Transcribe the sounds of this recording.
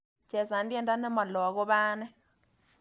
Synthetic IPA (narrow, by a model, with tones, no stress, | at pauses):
t͡ʃe˨sa˨ndje˦˨nda˦ne˦ma˨lɔ˨ɣo˦βa˦ne˦